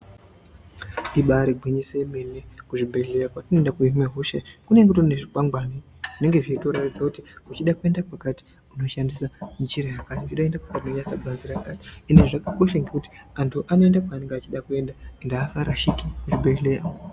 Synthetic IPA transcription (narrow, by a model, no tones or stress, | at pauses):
iɓaɾiɡʱwiɲiseɓenekuʐibʱelejakwatinoendakuimeɦoʃekune̞ŋkutoneʐikwaŋɡwani | ʐine̞ŋɡe̞ʐiitoɾatid͡zakutiut͡ʃiɗakue̞ndakwakati̥ | uno̞ʃandisand͡ʒiɾeɦakatiut͡ʃiɗaendakwakatinoɲasaɡʱanziɾakati̥ːneʐakako̞ʃaŋɡekuti̥antʰuʔano̞endakwaneŋɡeat͡ʃiɗakue̞ndaendaːfaɾaʃikimuʐibʱeleja